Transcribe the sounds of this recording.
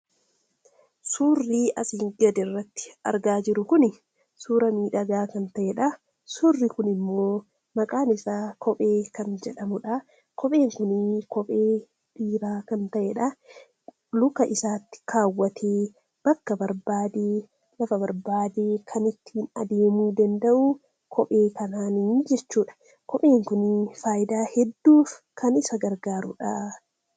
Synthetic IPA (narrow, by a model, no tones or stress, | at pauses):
suːrːiːɐsiːŋɡɐd̪ɛrːɐt̪ːɪ̥ɐ̰ɾɡaːd͡ʒɪɾʊkʊnɪ | suːɾɐmiːᶑɐɡaːkɐnt̪ɐʔeᶑɐ | sʊrːɪkʊnɪmːo̞ː | mɐkʼaːnɪsaːkɔpʼe̞ːkɐnd͡ʒɛᶑɐmʊᶑɐ | kʰɔpʼe̞ːŋkʊnikɔpʼeː | ᶑiːɾaːkɐnt̪ɐʔeᶑɐ | lʊkɐʔɪsaːt̪ːɪ̥kʰaːwːɐt̪ʰeː | b̥ɐkːɐbɐɾbaːd̪eː | lɐfɐbɐɾbaːd̪eːkʰɐnɪt̪ːiːnɐ̰d̪eːmuːd̪ɐnd̪ɐʔu | kʰɔpʼe̞ːkɐnaːnid͡ʒɛt͡ʃːuːᶑɐ̥ | kɔpʼe̞ːŋkʊnɪfaːjɪd̪aːhɛd̪ːuːf | kʰɐnɪsɐɡɐɾɡaːɾʊ̰ᶑa